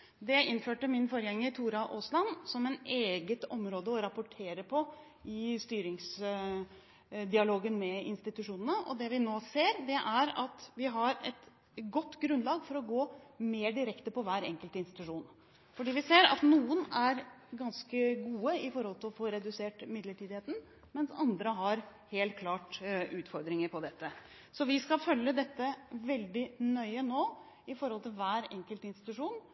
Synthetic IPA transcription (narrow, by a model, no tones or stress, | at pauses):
d̪ɛɪnːføːʈəmɪnfoːɾəjɛŋːəɾt̪ʰuːɾɑʔoːslɑnsɔmɛneːɡət̪ɔmɾoːd̪əɔɾɑpʊʈʰeːɾəpʰɔ | ʔɪst̪yːɾɪŋs | d̪ɪɑloːɡənmɛɪ̰nst̪ɪt̪ʉʂuːnənəʔɔ̰d̪ɛʋɪnoːseːɾd̪ɛʔæɾɑt̪ʋɪɦɑɾɛt̪ | ɡɔt̪ːɡɾʉnlɑːɡfɔɾɔɡoːmeːɖɪɾɛkt̪əpɔʋæːɾɛ̰ŋkəlt̪əɪnst̪ɪ̥t̪ʉʂuːn | fɔɖiːʋɪseːɾɑ̰t̪nuːənæɾɡɑnskəɡuːəɪfɔɾhɔlt̪ʰɪlɔfoːɾɛd̪ʉseːʈmɪd̪ləʈʰiːd̪ɪheːt̪n̩ | mɛnsɑnd̪ɾəɦɑɾ | heːlt̪̚kʰlɑːʈʉːt̪fɔɾd̪ɾɪŋəɾpʰɔd̪ɛt̪ʰːə | sɔʋɪskɑfœljəd̪ɛt̪ːəʋɛld̪ɪnœʏənoː | ɪfɔɾɔlt̪ʰɪlʋæːɾɛ̰ŋkəlt̪əɪnst̪ɪ̥t̪ʉʂuːn